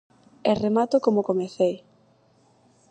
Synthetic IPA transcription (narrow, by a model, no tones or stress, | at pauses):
eremat̪okomokomeθej